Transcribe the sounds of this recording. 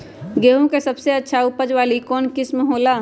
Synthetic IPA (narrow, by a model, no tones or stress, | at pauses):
ɡeːɦũkesɐbseɐtːʃʰaʊpəd͡ʒʋaːlikɔːnkɪsməɦoːlaː